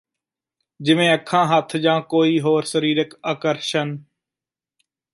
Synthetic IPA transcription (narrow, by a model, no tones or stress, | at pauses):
d͡ʒɪʋẽːəkʰãːɦət̪ʰd͡ʒãːkoːiːɦoːɾsəɾiːɾəkaːkəɾʃən